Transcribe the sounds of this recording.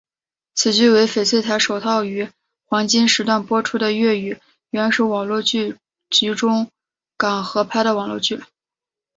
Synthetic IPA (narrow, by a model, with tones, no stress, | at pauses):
t͡sʰɹ̩˨˩t͡ɕy˥˩we˧˥ɪfe˨˩ɪt͡sʰwe˥ɪt̪ʰa˧˥ɪʂo˨˩ʊt̪ʰɑ˥˩ʊy˧˥ | xwɑ˧˥ŋt͡ɕi˥nʂɻ̩˧˥t̪wa˥˩npwɔ˥ʈ͡ʂʰu˥d̪ə˨ɥɛ˥˩y˨˩ | ɥa˧˥ʂɻ̩˥˩wɑ˨˩ŋlwɔ˥˧t͡ɕy˥˩ | t͡ɕy˧˥ʈ͡ʂʊ˥ŋ | kɑ˨˩ŋxɤ˧˥pʰa˥ɪd̪ə˨wɑ˨˩ŋlwɔ˥˧t͡ɕy˥˩